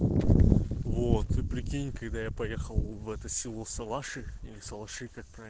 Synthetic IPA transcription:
vot̪ɨpɾʲɪkʲinʲɪkɐɡd̪ajapɐjexəlˠvɛt̪əsʲɪlˠosɐlˠaʂɨilʲɪsɐlˠaʂɨkak̚pɾa

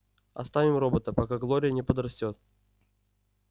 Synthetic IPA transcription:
ɐ̰st̪avʲɪmrobət̪əpɐkaɡlˠoɾʲɪjənʲɪpəd̪ɾɐsʲtʲot̪̚

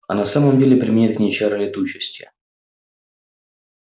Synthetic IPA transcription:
ɐnɐsaməmdʲelʲɪpɾʲɪmʲɪnʲit̪̚knʲejt͡ɕaɾəlʲɪt̪ut͡ɕɪsʲtʲə̰

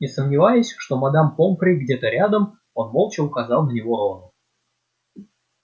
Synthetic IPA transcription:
nʲɪsəmnʲɪvajʊsʲʂt̪o̞mɐd̪ampompɾʲɪɡdʲe̞t̪əɾʲad̪əm | o̞nmolˠt͡ɕɪʊkɐzɑlˠnənʲɪvo̞ɾonʊ

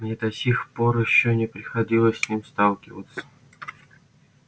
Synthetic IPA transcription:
mnʲed̪ɐsʲixpoɾjɪɕːonʲɪpɾʲɪxɐdʲilˠəsʲsʲnʲimst̪ɑlˠkʲɪvə̰t̪sə̥

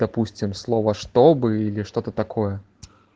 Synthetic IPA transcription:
d̪̥apusʲt͡sʲimslˠɔvɐʂt̪ɔbɨilʲiʂt̪ɔt̪ɐt̪akʰɔjɛ

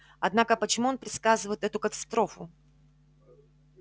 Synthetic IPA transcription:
ɐd̪nakəpət͡ɕɪmuo̞npɾʲɪt̪skazɨvəjɪt̪ɛt̪ʊkət̪ɐ̥st̪ɾo̞fʊ

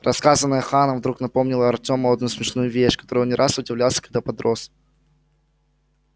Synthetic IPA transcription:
rɐskazənːəjəxanəvd̪ɾuknɐpo̞mnʲɪlˠəɐrtʲo̞məɐd̪nusmʲɪʂnujʊvʲeɕkɐt̪o̞ɾɨnʲɪɾʔasʊdʲɪvlʲalˠsʲə̥kɐɡ̚d̪apɐd̪ɾo̞s

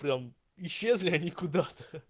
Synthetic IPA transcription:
pɾʲam | ɪɕːezlʲɪɐnʲikʊd̪at̪ə̥

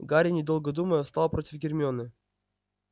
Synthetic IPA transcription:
ɡaɾʲɪnʲɪd̪əlˠɡəd̪uməjəfst̪ɑlˠpɾotʲɪfɡʲɪrʲmʲɪonɨ

